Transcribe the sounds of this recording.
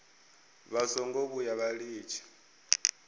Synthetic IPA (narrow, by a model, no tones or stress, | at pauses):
βazɔŋɡɔβujaβaɺiːt͡ʃʰḁ